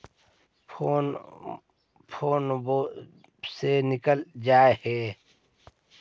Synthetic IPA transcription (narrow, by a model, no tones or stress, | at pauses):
oːn | pʰoːnbo | senɪkəld͡ʒaːeheː